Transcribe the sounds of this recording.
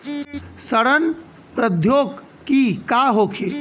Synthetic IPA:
səɽən | pɾəd̪ʱjoɡ | kikaɦokʰe

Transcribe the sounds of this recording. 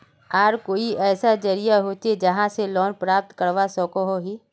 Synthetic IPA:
aːɾkoːiɛːsad͡ʒəɾijaɦoːt̪ed͡ʒɐɦãselɔːnpɾaːp̚t̪kəɾʋasɔːkoɦoɦiː

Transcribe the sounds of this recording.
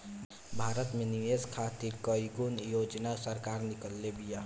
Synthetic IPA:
bʱaːɾət̪mẽniʋeskʰaːt̪iɾkəjɡunjoːd͡ʒnasəɾkaːɾnɪkəlːebijaː

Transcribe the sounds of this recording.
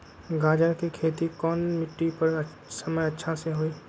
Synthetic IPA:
ɡaːd͡ʒəɾkikʰeːt̪ikɔːnmɪʈːipɐɾ | sɐməjɐtːʃʰaseɦoeː

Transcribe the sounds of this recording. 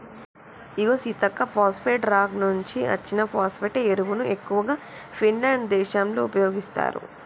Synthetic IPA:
iɡoːsit̪ɐkːɐpʰaːspeʈɾaːɡnuɲt͡ʃiɐ̰t͡ʃːinɐpʰaːspeːʈeeɾuʋunuʔe̞kːuʋɐɡaː | pʰinlaːɳɖd̪ɛːʃaːmloupɐjo̞ːɡist̪a̰ːɾṵ

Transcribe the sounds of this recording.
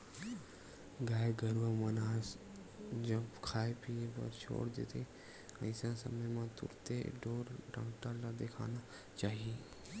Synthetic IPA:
ɡaːeɡəɾʋamənaːs | d͡ʒɐbkʰaːepiebə̰ɾt͡ʃʰo̰ːɽd̪ḛt̪ʰe | əɪsãsə̰məjmãt̪ʊ̰ɾt̪ḛɖoːɾɖə̃ːʈalad̪ekʰa̰ːna | t͡ʃaːɦie

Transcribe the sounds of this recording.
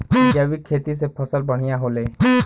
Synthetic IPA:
abikʰːet̪is̬epʰəsəlbəɽ̤ijaɦole

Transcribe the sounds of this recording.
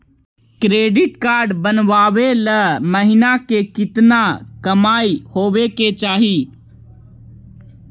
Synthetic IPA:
kɾeːɖɪʈkaːɾɖbənʋaːʋeləməɦɪnakekɪt̪nakəmaːihoːʋeket͡ʃaːɦiː

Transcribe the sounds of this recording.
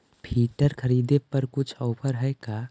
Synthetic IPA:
pʰiːʈəɾkʰəɾiːd̪epəɾkʊt͡ʃʰɔːpʰəɾɦɛeka

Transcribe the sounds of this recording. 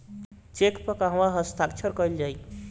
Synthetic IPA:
t͡ʃekpəkaɦəmaɦəst̪ʰakt͡ʃʰəɾkɔjld͡ʒaj

